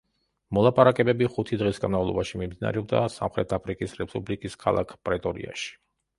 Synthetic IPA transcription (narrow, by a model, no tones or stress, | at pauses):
mɔlˠapʼaɾakʼɛbɛbiχut̪ʰid̪ʁisɡanmavlˠɔbaʃimimd̪ina̰ɾɛɔb̚d̪a̰sa̰mχɾɛt̪ʰapʰɾikʼisɾɛpʼublikʼiskʰalˠʔa̰kʰpʼɾɛt̪ʼɔɾḭa̰ʃi̥